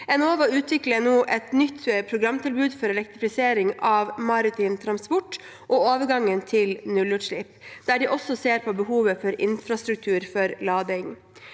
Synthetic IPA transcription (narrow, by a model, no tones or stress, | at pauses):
ɛnoːʋɑʉːt̪ʰʋɪklənoːʔɛt̪nʏt̪ːpʰɾʊɡɾɑmt̪ʰɪlbʉːd̪fɔɾɛlɛkt̪ɾɪfɪseːɾɪŋɑːʋmɑɾɪt̪ʰiːnt̪ʰɾɑnspɔʈː | ʔooːʋəɾɡɑŋːənt̪ʰɪlnʉlʉːʂɭɪpd̪̥æːɖɪʔɔsːɔseːɾpʰɔbəhuːʋəfɔɾɪ̰nfɾɑst̪ɾʉk̚t̪ʰʉːɾfɔɾlɑːd̪ɪŋ